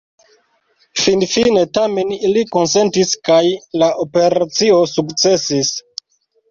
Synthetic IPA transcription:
finfine̞tame̞niliko̞nse̞ntiskajlaʔope̞ɾat͡sio̞sukt͡se̞sis

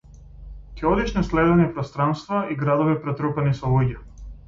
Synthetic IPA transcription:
cɛɔd̪iʃnɛslɛd̪ɛnɛpɾɔst̪ɾanst̪vaiɡɾad̪ɔvipɾɛt̪ɾupɛnisɔlˠuɟa

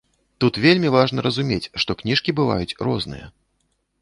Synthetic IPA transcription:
t̪ut̪vʲelʲmʲivaʐnɐɾɐzumʲet͡sʲʂt̪ɔknʲiʂkʲibɨva̰jut͡sʲrɔznɨ̰jɐ̰

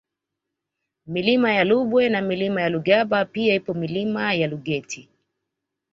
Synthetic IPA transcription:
milimajaluɓwɛnamilimajaluɡaɓapiaipɔmilimajaluɠɛtʰi

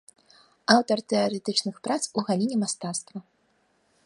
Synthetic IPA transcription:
awt̪ɐrt̪ɛaɾɛt̪ɨt͡ʂnɨxpɾat̪suɣalʲinʲɛmast̪at̪st̪vɐ

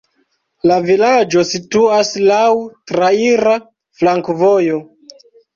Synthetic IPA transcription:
lavilad͡ʒo̞situaslawtɾaiɾa | flaŋkvojo̞

